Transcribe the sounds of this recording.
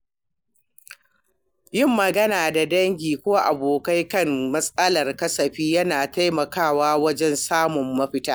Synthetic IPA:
jɪ˦˨mːɐ˨ɡɐ˦naː˨da˨dɐ˦ŋɡʲiː˨kʷoː˦ʔa˨boː˨ka˦jkɐ˦mmɐ˦sʼɐ˦lɐ˨rkɐ˦sɐ˨ɸiː˦jɐ˦naː˨ta˦jmɐ˨kaː˦˨waː˦wɐ˦d͡ʒɛ˦nsaː˦mʊ˨mːɐ˦ɸɪ˦taː˦

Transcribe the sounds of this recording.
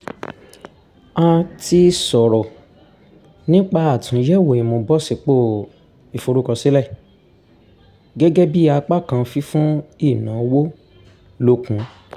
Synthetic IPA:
a˧ti˧sɔ˨ɾɔ˨ | nĩ˦k͡pa˧a˨tũ˨˦jɛ˦˨wo˨ĩ˨mo˧bɔ˦si˧˨k͡po˦˨ | i˨fo˧ɾo˦kɔ˧si˦lɛ˦˨ | ɡɛ˦ɡɛ˦bi˦a˧k͡pa˦˨kã˧fi˦fũ˦i˦˨nãː˨˦wo˦ | lo˧kũ˨˦

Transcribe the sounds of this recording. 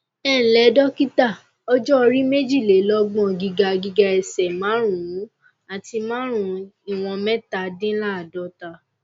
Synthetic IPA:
ɛ˦˨lɛ˨˦dɔ˦ki˦ta˦˨ | ɔ˦d͡ʒɔ˦ɔ˧ɾi˦me˦d͡ʒi˦˨le˨˦lɔ˦ɡ͡bɔ̃˦˨ɡi˧ɡa˧ɡi˧ɡa˧ɛ˨sɛ˨mã˨˦ɾ̃ũ˨ũ˨˦ | a˨ti˧mã˦ɾ̃ũ˧i˦˨w̃ɔ̃˧mɛ˦ta˧˦dĩ˦la˦˨dɔ˨˦ta˧

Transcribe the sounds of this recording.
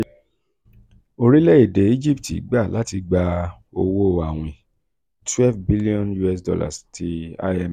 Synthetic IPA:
o˧ɾi˦le˦e˦˨de˨˦i˦d͡ʒi˦ptḭ˨˦ɡ͡ba˦˨la˦ti˧ɡ͡ba˧ | o˧wo˦˨a˨w̃ĩ˨ | twɛ˦lvbi˦li˦ɔ̃˦nju˦ɛ˧s̬dɔ̰˧la̰˦˨stʰi˧a̰˧ɛ˧˨m

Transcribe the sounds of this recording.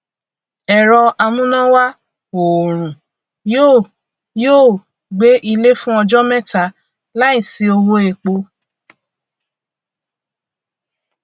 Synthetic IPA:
ɛ˨ɾɔ˧a˧mũ˦nã˦wa˦ | o˨ɾ̃ũ˨ | joː˦˨ | joː˦˨ | ɡ͡be˨˦ʔi˧le˦fũ˦ɔ˧d͡ʒɔ˦mɛ̃˦ta˨˧˦ | la˦ĩ˦˨si˨˦o˧wo˧˦e˨k͡po˧

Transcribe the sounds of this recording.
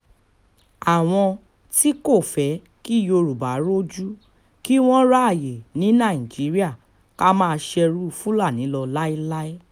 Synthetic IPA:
a˨w̃ɔ̃˧ | ti˦ko˦˨fɛ˨˦ | ki˦˨jo˧ɾu˨ba˨˦ɾo˦d͡ʒu˦ | ki˦w̃ɔ̃˦ɾa˦a˦˨je˨nĩ˨˦nã˦˨ĩ˨d͡ʒi˨˦ɾi˦a˦˨ | ka˦mãː˦˧ʃɛ˧ɾu˦fũ˦la˦˨nĩ˨˦lɔ˧la˦i˦la˦i˦

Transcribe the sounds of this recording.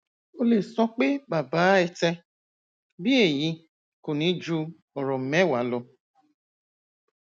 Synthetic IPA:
o˦le˨sɔ̃˧k͡pe˦ba˨baː˨˦ɛ˧tɛ˧ | bi˦e˦˨jĩ˧ | ko˨nĩ˨˦d͡ʒu˧ | ɔ˨ɾɔ˨m̩˨mɛ˦wa˨˦lɔ˧

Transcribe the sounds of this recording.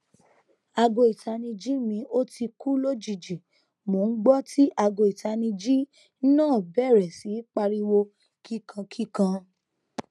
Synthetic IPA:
a˧ɡo˧˨i˨ta˧nĩ˧d͡ʒi˦mĩ˧ʔo˦ti˧ku˦lo˦d͡ʒi˦˨d͡ʒi˨ | mo˨˦n̩˦ɡ͡bɔ˦tʰi˦ʔa˧ɡo˧˨i˨ta˧nĩ˧d͡ʒi˦ | nãː˦˨bɛ˦˨ɾɛ˨si˨˦k͡pa˧ɾi˧wo˧ | ki˦kʰã˧kʰi˦kã˧

